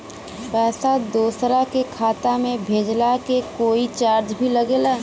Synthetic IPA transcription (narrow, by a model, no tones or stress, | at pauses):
pɛːsad̪oːsɾakekʰaːt̪amẽbʱeːd͡ʒlakekoːit͡ʃaːɾd͡ʒbʱiləɡeːla